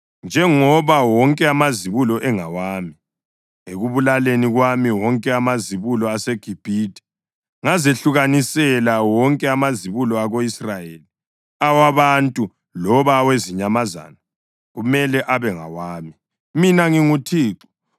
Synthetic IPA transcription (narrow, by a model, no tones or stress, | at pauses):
nd͡ʒʱɛŋɔβawɔŋkʼɛamaziβulɔʔɛŋawaːmi | eɣuβulaleniɣwamiwɔŋkʼɛamaziβulɔaseɡ̥ʱib̥ʱidʱʼɛ̥ | ŋazeɬuɣanisɛlawɔŋkʼɛamaziβulɔaɣoisrajeːli | awaβantʼu | lɔβaweziɲamaza̰ːna | ɣumɛlɛʔaβɛŋa̰waːmi | minaŋiŋutʰiːǁɔ̥